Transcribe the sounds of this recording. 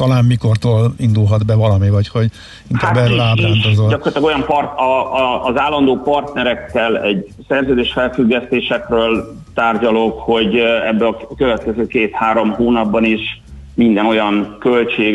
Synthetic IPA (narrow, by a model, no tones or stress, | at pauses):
t̪ɒlaːmmiko̞rt̪oːlind̪ulɦɒd̪bɛvɒlɒmivɒcho̞ɟ | iŋkabɛːrøːlaːt̪ɛnt̪ozodɒkorlt̪ɒɡojɒmprt̪ɒːzaːlːɒnd̪oːpɒrt̪nɛɾɛkːɛlɛɟ | sɛrzøːd̪eːʃfɛlfyɡːɛst̪eːʃɛkrøːl | t̪aːrɟɒlokho̞ɟɛbːɛɒkøvɛt̪kɛzøːkeːt̪haːɾo̞mɦoːnɒbːɒniʃ | mind̪ɛno̞jɒnkølt͡ʃeːɡ